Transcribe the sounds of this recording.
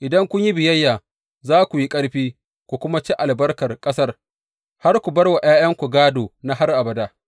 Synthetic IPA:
ʔɪ˨dɐ˦ŋkʷʊ˦ɲji˦bɪ˨jɐ˦jːaː˨ | zaː˦kʷu˨ji˦kʼɐ˦ɽɸiː˦ | kʷu˨kʷʊ˦ma˦t͡ʃi˦ʔa˨lbɐ˦rkɐ˨rkʼɐ˦sɐ˦r | ha˦rkʷu˨bɐ˦rwa˨j̰aː˦j̰ɐ˦ŋkʷu˨ɡaː˦doː˨na˦ɦa˦rʔa˨bɐ˨daː˦

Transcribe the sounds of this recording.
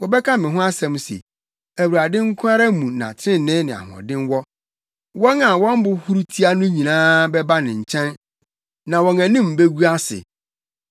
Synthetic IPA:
wɔ˨bɛ˦kʰa˦mɪ̃˨ɦʊ̃˦a˦sɛ̃˨msḛ˨ | æ˨wu˨ɾa˨dɪ̃˦ŋ̩˦kʰʊ̃˦a˦ɾa˦mũ˨nã̰˨tʰɪ̃˦˨nɪ̃˦nɪ̃˨a̰˨ɦʊ̃˨ɔ̰˨dɪ̃˦nwɔ˦ | wɔ˦na˨wɔ̃˦m˦bʊ˨hu˦ɾu˦tʰi˦a˦nʊ̃˦ɲĩ˨nãː˦bɛ˦ba˦nɪ̃˨ɲ̩˨t͡ɕʰɛ̃˦n | nã˨wɔ̃˨ŋæ̃˨nĩ˦m̩˨be˦ɡu˦a˦sɪ̰˨

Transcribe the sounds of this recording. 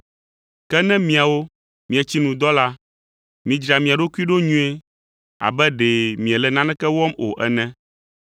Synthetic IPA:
kɛ˦nɛ̃˦mĩ˨a˨wo˦ | mĩ˨ɛ˨t͡ɕi˦nũ˨d̪ɔ˦la˦ | mĩ˨d͡ʒɾa˨mĩ˨a˨ɖo˦ku˦i˦ɖo˦ɲũ˦e˦ | a̰˨bɛ˦ɖɛ˨mĩ˨ɛ˨lɛ˨nã˦nɛ̃˦kɛ˦wɔ˦mo̰˨ʔɛ˨nɛ̃˦

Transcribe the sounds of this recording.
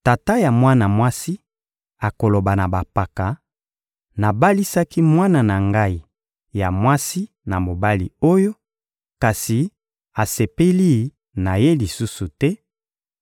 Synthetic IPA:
ta˨ta˦ja˨mwa˦na˨mwa˦si˦ | a˨ko˨lo˨ba˨na˨ba˨pa˨ka˨ | na˨ba˦li˦sa˦ki˦mwa˦na˨na˨ŋɡa˦i˨ | ja˨mwa˦si˦ | na˨mo˨ba˦lḭ˨o˦jo˦ | ka˨si˨ | a˨se˨pe˦li˦ | na˨je˦li˨su˦su˨tɛ˦

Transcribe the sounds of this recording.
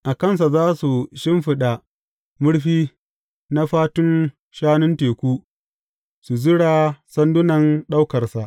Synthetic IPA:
ʔa˨kɐ˦˨ns̬a˨zaː˦su˨ʃɪ˦mɸɪ˦ɗa˨ | mʊ˦ɽɸiː˦ | na˦ɸaː˦tʊ˦n | ʃaː˦nʊ˦nteː˨kʷuː˦ | su˨zʊ˦ɽaː˨sɐ˦ndʊ˦nɐ˨nɗa˦wkɐ˨rsa˨ʔ

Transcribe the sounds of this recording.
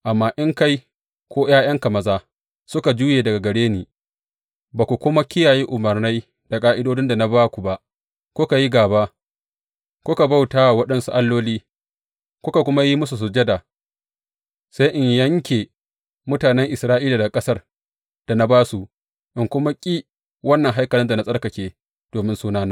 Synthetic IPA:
ʔa˨mːaː˦ʔɪ˦ŋka˦j | kʷoː˦j̰aː˦j̰ɐ˦ŋka˨mɐ˨zaː˦ | sʊ˦ka˨d͡ʒuː˦jeː˨dɐ˨ɡa˨ɡɐ˨ɽeː˦neː˨ | baː˨kʷu˨kʷʊ˦ma˦kʲɪ˦jaː˨ji˦ʔʊ˨mɐ˨rna˦j | d̥a˨kʼaː˦ʔɪ˦doː˦d͡ʒɪ˦nda˨na˦baː˦kʷu˨ba˦ʔ | kʷʊ˦ka˨ji˦ɡaː˨ba˦ | kʷʊ˦ka˨ba˦wtaː˦˨wɐ˦ɗɐ˦nsu˦ʔa˦lːoː˦liː˦ | kʷʊ˦ka˨kʷʊ˦ma˦ji˦mʊ˦su˨s̬ʊ˨d͡ʒɐ˦daː˨ | sa˦jʔɪ˨ɲjɐ˦ŋkʲeː˨ | mʊ˦taː˨nɛ˦ŋʔɪ˨sɾaː˦ʔiː˦laː˨da˨kʼɐ˦sɐ˦r | d̥a˨na˦baː˦su˨ | ʔɪ˨ŋkʷʊ˦ma˦kʲʼiː˦ | wɐ˦nːɐ˨ŋɦa˦jkɐ˨lɪ˦nda˨na˦sʼɐ˦rkɐ˨kʲeː˦ | d̥oː˨mɪ˦nsuː˦naː˦na˦

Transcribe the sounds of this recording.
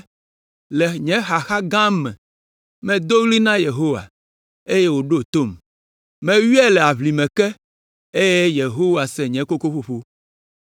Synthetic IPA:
lɛ˨ɲɛ̃˨˦xa˨xa˦ɡã˦mːɛ̰̃˨ | mɛ̃˨d̪o˦ɣli˦nã˦je˨ɦo˦wa̰˨ | e˦je˦wo˨ɖo˦t̪o˦˨m | mɛ̃˨wi˦ɛ˦lɛ˨a˨βli˨mɛ̃˨kɛ˦ | e˦je˦je˨ɦo˦wa˨sɛ˨ɲɛ̃˨˦ko˦ko˦ɸo˦ɸo˦

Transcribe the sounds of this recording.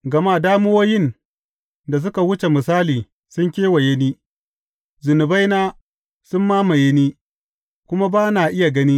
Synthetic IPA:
ɡɐ˨ma˦˨daː˦mʊ˦woː˦jɪ˦˨n | da˨s̬ʊ˦ka˨wʊ˦t͡ʃe˨mɪ˨saː˦liː˨ | sʊ˦ŋkʲeː˦wa˨je˦niː˦ | zʊ˨nʊ˨ba˦jnaː˦ | sʊ˦mːaː˦ma˨je˦niː˦ | kʷʊ˦ma˦baː˦naː˨ʔɪ˦ja˨ɡɐ˦niː˦

